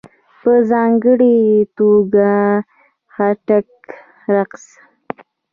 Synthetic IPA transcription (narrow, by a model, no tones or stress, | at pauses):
pəzɑŋɡəɽet̪oɡa | xaʈak | ɾaqs